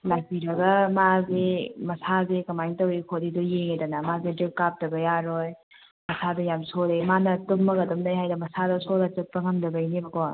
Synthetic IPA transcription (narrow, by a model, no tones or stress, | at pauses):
lajpiɾɐɡɐmazemɐsazekɐmajŋtɐwikʰodidujeŋedanɐmazedikkap̚tɐbɐjaɾoj | mɐsadɐjamsolemanɐtumːɐkɐdumdajɦajdɐmɐsadɐsolɐt͡ʃɯt̚pɐŋɐmdɐbɐjnibɐko